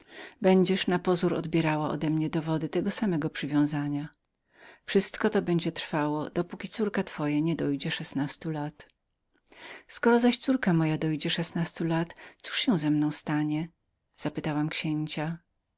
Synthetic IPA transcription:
bɛɲd͡ʑɛʂnapɔzuɾɔ̰d̪bʲjɛɾawaʔɔ̰d̪ɛmɲɛd̪ɔvɔd̪ɘt̪ɛɡɔsamɛɡɔpʂɘvʲjɔ̃w̃zaɲa | fʂɘst̪kɔt̪ɔbɛɲd͡ʑɛt̪ɾfawɔd̪̥ɔpukʲit̪suɾkat̪fɔjaɲɛd̪ɔjd͡ʑɛʂɛsnast̪ulat̪ | skɔɾɔzaɕt̪suɾkamɔjad̪ɔjd͡ʑɛʂɛsnast̪ulat̪su̥ʂɕɛw̃zɛmnɔ̃w̃st̪aɲɛ | z̥apɘt̪awamkɕeɲt͡ɕa

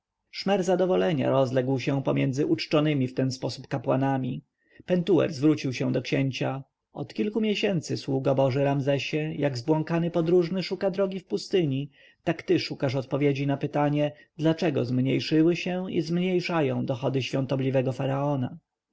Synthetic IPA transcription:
ʂmɛɾzad̪ɔvɔlɛɲa̰ɾɔzlɛɡwɕɛ̃pɔmjɛnd̪zɘʔut͡ʂt͡ʂɔnɘmʲift̪ɛnspɔsupkapwanamʲi | pɛnt̪uɛ̰ɾzvɾut͡ɕiwɕɛ̃d̪ɔkɕɛɲt͡ɕa | ɔ̰t̪kʲilkumʲjɛɕɛnt̪sɘswuɡabɔʐɘɾamzɛɕɛjaɡzbwɔŋkanɘpɔd̪ɾuʐnɘʂukad̪ɾɔɡʲifpust̪ɘɲi | t̪akt̪ɘʂukaʂɔt̪̚pɔvʲjed͡ʑinapɘt̪aɲɛ | d̪lat͡ʂɛɡɔ̰zmɲejʂɘwɘɕɛ̃ḭzmɲejʂajɔ̃w̃d̪ɔxɔd̪ɘɕfʲjɔ̃nt̪ɔblʲivɛɡɔfaɾaɔna

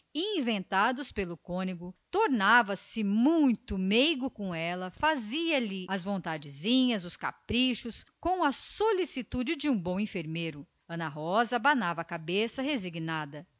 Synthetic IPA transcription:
iĩvẽnt̪ad̪ʊspelʊkõniɡʊt̪oɾnavɐsɪmũj̃t̪ʊmejɡʊkõɛlɐfaziɐlɪɐzvõnt̪ad͡ʒɪzĩɲɐzʊska̰pɾiʃʊskõw̃ɐsolisit̪ud͡ʒɪd͡ʒɪũbõw̃ĩfeɾmejɾʊ | ɐ̃nɐɦɔzɐbanavɐːkabesɐɦeziɡnad̪ɐ

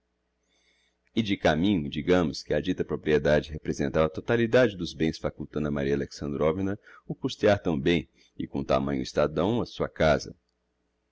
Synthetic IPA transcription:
ɪd͡ʒɪkamĩɲʊd͡ʒiɡɐ̃mʊskɪad͡ʒit̪ɐpɾopɾied̪ad͡ʒɪɦepɾezẽnt̪avɐt̪ot̪alid̪ad͡ʒɪd̪ʊzbẽj̃sfakut̪ɐ̃nɐmaɾiɐaleksɐ̃nd̪ɾovinɐʊkust̪iaɾt̪ɐ̃bẽj̃ | ɪkõt̪a̰mɐ̃ɲʊist̪ad̪ɐ̃w̃ɐsuɐkazɐ̰

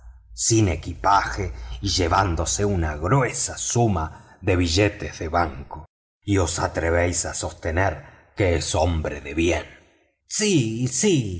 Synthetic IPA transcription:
sinekipaxeiʒeβand̪o̞seunaɣɾwesasuma | ðe̞βiʒet̪ehðeβaŋko | io̞sat̪ɾeβejsaso̞st̪eneɾkeeso̞mbɾeðeβjen | sisi

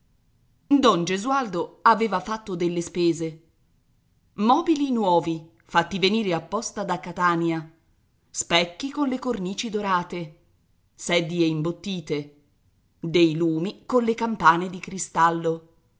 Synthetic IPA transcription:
d̪ɔnd͡ʒezuald̪oaveːvafat̪ːod̪elːespeːze | mɔːbilinwɔːvi | fat̪ːiveniːɾeapːɔst̪ad̪akːat̪aːnjia | spɛkːikonlekorniːt͡ʃid̪oɾaːt̪e | sɛd̪ieimbot̪ːiːt̪e | d̪ejluːmikonlekampaːned̪ikɾist̪alːo

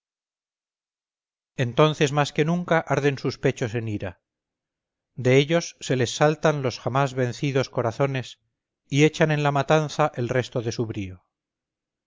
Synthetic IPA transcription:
e̞nt̪o̞nθe̞zmaske̞nuŋkaʔaɾðe̞nsuspe̞t͡ʃo̞se̞niɾa | d̪e̞eʎo̞sːe̞le̞sːalt̪anlo̞sxamazβẽ̞nθiðo̞sko̞ɾaθo̞ne̞s | ie̞t͡ʃanẽ̞nlamat̪anθaʔe̞lre̞st̪oðe̞suβɾio

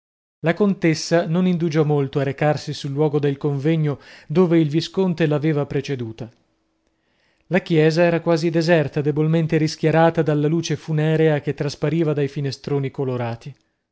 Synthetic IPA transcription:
lakont̪esːanonind̪ud͡ʒɔmolt̪oaɾekarsisulːwɔːɡod̪elkoɱvɛɲːod̪oːveilviskont̪elaveːvapɾet͡ʃed̪uːt̪a | lakjɛːzaɛːɾakwaːzid̪ezɛrt̪ad̪ebolment̪eɾisk̟jaɾaːt̪ad̪alːaluːt͡ʃefunɛːɾeak̟et̪ːɾaspaɾiːvad̪ajfinest̪ɾoːnikoloɾaːt̪i

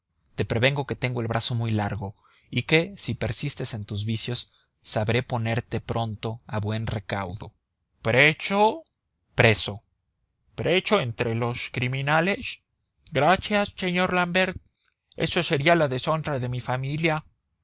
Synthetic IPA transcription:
t̪e̞pɾe̞βe̞ŋɡo̞ke̞t̪e̞ŋɡo̞e̞lβɾʔaso̞mujlaɾɣo̞ | ike̞sipe̞ɾsist̪e̞se̞nt̪uzβisjo̞sː | aβɾe̞po̞ne̞ɾt̪e̞pɾo̞nt̪o̞aβwe̞nre̞kawðo̞̰ | pɾet͡ʃo | pɾe̞so̞ | pɾe̞t͡ʃo̞ent̪ɾe̞lo̞skɾimĩnale̞s | ɡɾasjasːe̞ɲo̞ɾlambe̞ɾt̪̚ | e̞̰sose̞ɾialaðe̞so̞nraðe̞mifamilja

